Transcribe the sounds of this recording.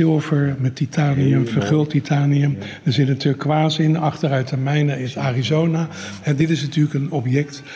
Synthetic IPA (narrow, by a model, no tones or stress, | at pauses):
ɪlˠvəɹmɛtitʰaːniəfəɹχɪlˠtitʰaːniəmdəɹzɪtnatyːləkːʋaːzɪnɑχtəɾœɥtɛɹmɛjnəɪsaːrizownahɛdɪtɪsnatyːɹləkənɔpjɛkt